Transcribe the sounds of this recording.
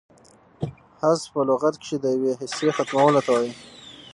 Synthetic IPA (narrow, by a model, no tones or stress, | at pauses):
hazpəloɣat̪kʃed̪əjaweɦɪsexat̪mawəlat̪awaji